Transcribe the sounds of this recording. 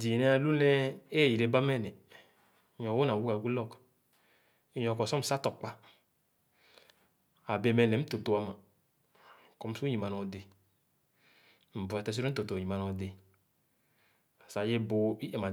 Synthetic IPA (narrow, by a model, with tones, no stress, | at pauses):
di˨nɛ˨˦a˨lu˦nɛ˦e˦˨ji˨ɾe˨ba˦mɛ˦˨nɛ˨˦ | ɲɔ˨wo˦na˨wu˦ka˨ɡu˦lɔ˦˨k | i˦ɲɔ˨kɔ˨sɔ˦m̩˨sa˦tɔ˨k͡pa˦ | a˨be˧˨mɛ˧˨nɛ˨˦m̩˦to˨to˨wa˧ma˨ | kɔ˧˦m̩˦su˦ji˨ma˨nɔ˨de˨ | m̩˨ba˨tɛ˧˦s̬i˦ɾo˦to˨to˨ji˨ma˨nɔ˨de˨ | a˨sa˨je˦bo˨i˦ʔe˨ma˨